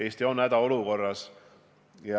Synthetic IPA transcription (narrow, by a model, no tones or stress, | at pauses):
e̞ːst̪io̞nːæd̪̥ɑo̞luko̞rːɑs | jɑ